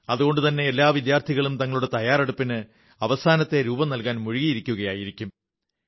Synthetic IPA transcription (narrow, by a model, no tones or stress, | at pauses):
ɐðuɣo̞ɳɖɨt̪ɐnːe̞ːlːaːʋid̪jaːrt̪ʰiɣɐɭumt̪ɐŋːɐɭuɽe̞t̪ɐjaːɾeɽupːinɨ | ɐʋɐsaːnɐt̪ːe̞ɾuːbɐnɐlkaːnmuɻiɣijiɾikʲːuɣɐjaːjiɾikʲːum